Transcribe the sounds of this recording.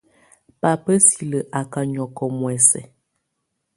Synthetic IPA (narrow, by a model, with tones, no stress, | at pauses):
pa˨pə˦si˨lə˨ʔa˨ka˨ɲɔ˨kɔ˨mwɛ˨sɛ̰˨